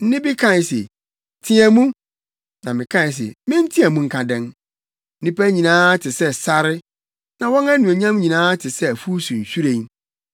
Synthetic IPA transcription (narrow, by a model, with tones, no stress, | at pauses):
n̩˦nɪ̃˦bi˦kʰã˦˨n˨sḛ˨ | tʰĩ˦æ˨mũ˦ | nã˨mɪ̃˨kʰã˦n˨s̬ḛ˨mɪ̃˦n̩˦tʰi˦æ˨mũ˦ŋ̩˦kʰa˨dɛ̃˦n̩˦ | nĩ˦pæ˦ɲĩ˨nãː˦tʰɪ˨sɛ˦sa˦ɾɪ˦ | nã˨wɔ̃˦næ˦nũ˨æ˨ɲã˦m˦ɲĩ˨nãː˦tʰɪ˨sɛ˦æ˨fu˦sũ˨ɲ̩˨ɕᶣu˦ɾẽ˨˦